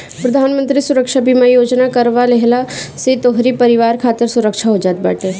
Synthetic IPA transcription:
pɾɐd̪ʱaːnmə̃nt̪ɾisʊɾəkʃabʱimajoːd͡ʒnakəɾʋaleɦlaset̪oɦɾipəɾɪʋaːɾkʰaːt̪ɪɾsʊɾəkʃaɦod͡ʒaːt̪̚bə̰ːʈeː

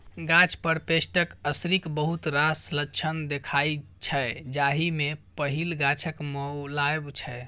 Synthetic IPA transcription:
ɡãt͡ʃʰpəɾpesʈəkəsɾikbəɦut̪ɾaslət͡ʃʰənd̪ekʰajt͡ʃʰɛd͡ʒaɦimepəɦilɡãt͡ʃʰəkməlaebt͡ʃʰɛ

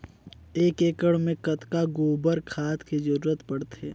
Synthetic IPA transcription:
eːkeːkəɽmẽkɐt̪kaɡoːbəɾkʰaːt̪kid͡ʒɐɾuːɾət̪pɐɽt̪eː

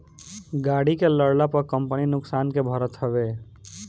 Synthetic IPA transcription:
ɡaɽikeləɽlapəɾkəmpəninʊksankebʱəɾət̪ɦəbe

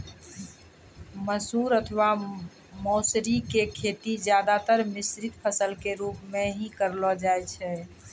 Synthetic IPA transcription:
məsuɾət̪ʰʋa | mɔsɾikekʰet̪id͡ʒjad̪at̪əɾmisɾit̪pʰəsəlkeɾupmeɦĩkəɾlɔd͡ʒajt͡ʃʰɛ

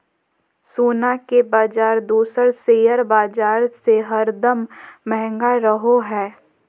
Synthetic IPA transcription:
soːnakebaːd͡ʒaːɾd̪uːsəɾseːjəɾbaːd͡ʒaːɾseɦɐɾd̪əmmɛɦɛ̃ŋɡaɾəɦoɦɛː

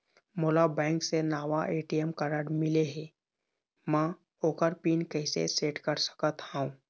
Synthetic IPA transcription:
moːlabɛ̃ːŋksenaːʋaʔeːʈijemkəɾəɽmɪleɦɛ̃ | mã | oːkəɾpiːnkɛːsḛseːʈkəɾsə̥kət̪haũː

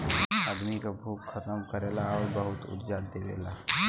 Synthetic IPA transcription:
aːd̪mikabʱuːkːʰɐt̪əmkəɾeːlaɔːɾbəɦʊt̪ʊ̰d̪d͡ʒaːd̪eːʋḛːlaː

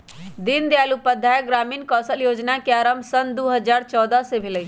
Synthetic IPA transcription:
d̪ɪnd̪eaːlupəd̪ʱaeɡɾaːmiːnkɔːsəljoːd͡ʒnakeaːɾəmbsənd̪oɦəd͡ʒaːɾt͡ʃɔːd̪asebʱeləi

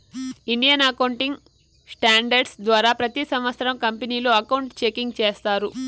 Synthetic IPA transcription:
iɳɖijɐnɐkɐwɳʈiŋɡ | sʈaːɳɖɐɾɖsd̪ʋaːɾaːpɾɐt̪isɐmʋɐt̪sɐɾɐmkɐmpeniːloːɐkɐwuɳʈt͡ʃekiŋɡt͡ʃeːst̪aːɾu

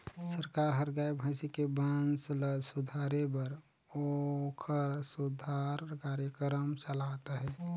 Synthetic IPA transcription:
səɾkaɾɦəɾɡaibʱə̃ɪsikebənsləsud̪ʱaɾebəɾ | okʰəɾsud̪ʱaɾkaɾjəkɾəmt͡ʃəlat̪aɦɛː

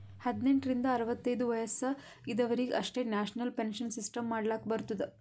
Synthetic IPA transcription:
hɐd̪neɳʈɾind̪ɐːɾɐʋɐt̪ːɐjd̪uʋɐjɐsɐ | id̪ɐʋɐɾiɡeʔɐʂʈe̞ːnaːʂnɐlpenʃɐnsisʈɐmːaːɽɐlaːkɐbɐɾut̪ːɐd̪e

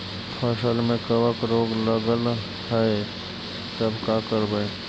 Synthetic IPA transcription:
pʰəsəlmẽkəwəkɾoːɡləɡəl | hʰəe | t̪əbkaːkəɾbə

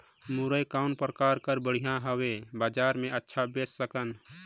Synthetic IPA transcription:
muɾəjkaʊnpɾəkaːɾkəɾbəɽ̤ijãɦəwebaːd͡ʒaːɾmẽətːʃʰabesːəkən

